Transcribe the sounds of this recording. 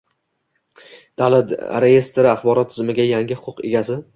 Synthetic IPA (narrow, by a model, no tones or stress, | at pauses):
d̪̥alat̪ɾeje̞st̪ʰeɾɪaχbɒɾɒt̪ʰːɪzmɪɡʲajaŋʲɪhʊqʰʊqe̞̰ɡʲasɪ